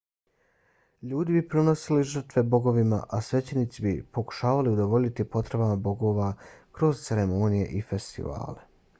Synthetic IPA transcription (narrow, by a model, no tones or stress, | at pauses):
ʎuːd̪ibipɾono̞siliʒr̩t̪ʋe̞bo̞ɡo̞ʋima̰ʔasʋe̞t͡ɕe̞nit̪sibḭpo̞ku̥ʃaːʋaliud̪o̞ʋo̞ʎit̪ipo̞t̪ɾe̞bamabo̞ɡo̞ʋakɾo̞zt̪seɾemonije̞̰ʔife̞st̪ḭʋa̰ːle̞